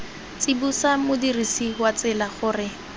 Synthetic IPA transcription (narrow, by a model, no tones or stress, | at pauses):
t͡sibusamʊdirisiɦwat͡sɪlaχʊːrɪ